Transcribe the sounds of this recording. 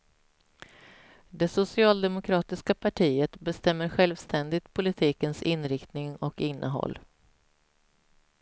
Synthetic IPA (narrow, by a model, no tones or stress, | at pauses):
d̪ɛsʊsɪɑːld̪ɛmʊkʰɾɑːt̪ɪskapʰaʈʰiːət̪bɛst̪ɛmːəɾɧɛlvst̪ʰɛnd̪ɪt̪pʰʊlɪt̪ʰiːkənsɪnːɾɪkt̪nɪŋɔkɪnːʔəɦɔ̰lː